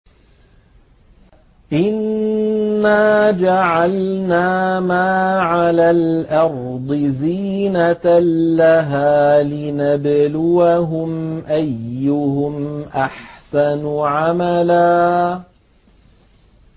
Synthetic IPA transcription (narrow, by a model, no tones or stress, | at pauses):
ʔɪnː | aːd͡ʒaʕalnaːmaːʕalaːlʔɑɾ | d̪ˤɨziːnat̪ːaɦaːlɪnablʊwaɦʊmʔajːʊhʊmʔaħsanʕamalaː